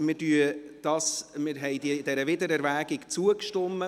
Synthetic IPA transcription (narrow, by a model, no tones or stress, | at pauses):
mɪdyəd̪̥ɑːsmɪɾɦɛɪd̥id̥̪ɛɾəvɪd̪əɾɛɾvæːɡɪkt͡suəkʃtʏmːə